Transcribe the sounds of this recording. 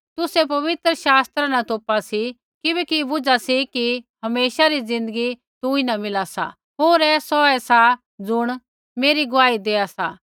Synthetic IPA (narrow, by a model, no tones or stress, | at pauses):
t̪ʊsep̬ɐʋɪt̪ɾəʃaːst̪ɾanat̪oːpasi | kɪbɛːkibʊd͡zasikiɦɐmeːʃaɾid͡zɪ̃nd̪əɡi | t̪uinɐmɪlasa̰ | ɦoːɾɛːsɔɛsa | d͡zʊɽ̃ | meːɾiɡʊʋaːid̪eːasaː